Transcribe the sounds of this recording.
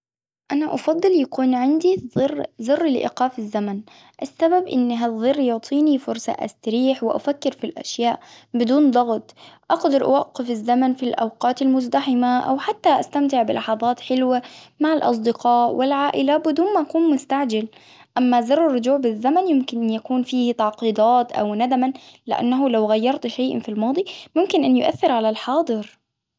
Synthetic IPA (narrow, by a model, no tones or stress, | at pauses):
ʔanaʔɑfɑd̪ˤːɨljakuːnʕɪnd̪iðˤɨrːzɪrːlʔɪ̰qɑːfɪzːaman | ʔasːababʔɪ̰nːɦaðˤɨrˤːjʊʕt̪ˤʰiːnifʊɾsɑ̰ʔa̰st̪aɾiːħwɪʔa̰fakːɪɾfilʔa̰ʃjaːʔ | bɪd̪uːnd̪ˤɑɣt̪ˤʔɑqd̪ɑɾˤʔa̰wɑqːɪfɪzːamanfilʔa̰wqɑːt̪almʊzd̪aħɪmaʔa̰wħat̪ːaʔast̪amt̪ɪʕbɪlʔɑħɑðˤɑːt̪ħɪlwamaʕalʔɑ̰s̬ˤd̪ɪqɑːʔwʔɪlʕaːʔɪlabɪd̪uːnmaʔakuːnmʊst̪aʕd͡ʒal | ʔamːazɑrˤːɪrˤːʊd͡ʒuːʕbɪzːamanjʊmkɪnʔɪnjakuːnfiːht̪ɑʕqiːd̪ˤɑːt̪ʔa̰wnad̪amanlɪ̰ʔa̰nːaɦʊlawɣajːɑɾˤt̪ʃajʔa̰nfilmɑːd̪ˤimʊmkɪnʔanːjʊ̰ʔa̰θːɪɾʕalalħɑːd̪ˤɨɾ